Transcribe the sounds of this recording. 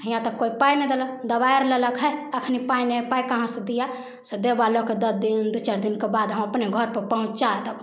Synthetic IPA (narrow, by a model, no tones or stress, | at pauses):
ijãt̪əkːoipained̪eləkd̪əbaeɾleləkɦɛəkʰnipainepaːikəɦãsed̪ija | sed̪ebaloked̪əsd̪ind̪ut͡ʃəɾd̪inkebad̪ɦə̃məpneɡʱɔɾpəɾpəɦũt͡ʃt͡ʃaɛt̪əb